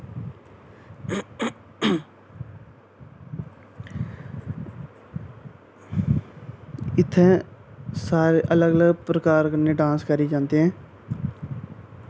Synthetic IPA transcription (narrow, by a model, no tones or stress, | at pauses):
ɪt̪ʰːɛ̃ːsaːɾeʔələɡələɡpɾəkaːɾkənːeːɖãːskəɾiːd͡ʒãːnd̪eɦɛ̃ː